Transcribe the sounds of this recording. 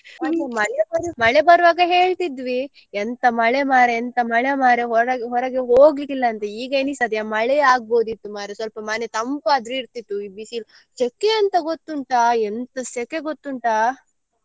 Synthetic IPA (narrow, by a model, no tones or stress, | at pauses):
aɐmɐɭebɐɾmɐɭebɐɾʋaːɡɐɦe̞ːɭt̪id̪ʋi | ɛnt̪ɐmɐɭemaːɾeːnt̪ɐmɐɭemaːɾeɦɔɾɐɡɦɔɾɐɡeɦoːɡikilːɐːnt̪ɐiːɡɐeːnisɐd̪jamɐɭeaːɡ̚bo̞ːd̪it̪ːumaːɾesʋɐlpɐmaːnet̪ɐmpaːd̪ɾeiɾt̪it̪ːuiːbisiːl | t͡ʃekːeɐnt̪ɐɡot̪ːuɳʈaːɛnt̪ɐsekeɡot̪ːuɳʈaː